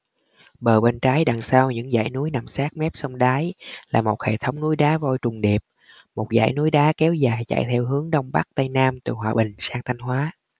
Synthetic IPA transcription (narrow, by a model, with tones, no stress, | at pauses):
ɓəː˨˩ɓe˧nt͡ɕaː˨˦jɗa̰˧˨˩ŋsaː˧wɲɨ̰˧˥ŋza̰ː˧˩jnu˨˦jna˨˩msaː˦˥k̚mɛ˦˥p̚sə˧wŋ͡mɗaː˨˦jlaː˨˩mo˨˩t̚hḛ˧˨˩t̪ʰə˨˦wŋ͡mnu˨˦jɗaː˨˦vo˧jt͡ɕʊ˨˩ŋ͡mɗi˨˩əp̚ | mo˨˩t̚za̰ː˧˩jnu˨˦jɗaː˨˦kɛ˨˦wzaː˨˩jt͡ɕa̰˧˨jt̪ʰɛ˧wɦɨ˨˦əŋɗə˧wŋ͡mɓa˦˥k̚t̪ə˧jnaː˧mt̪ɨ˨˩hɦwaː˨˩ɓï˨˩ŋ̟saː˧ŋt̪ʰa˧jŋ̟ɦwaː˨˦